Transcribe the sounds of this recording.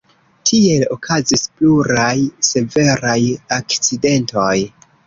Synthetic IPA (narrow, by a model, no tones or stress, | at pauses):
tʰie̞lo̞kʰazispluɾajse̞ve̞ɾajakt͡side̞nto̞j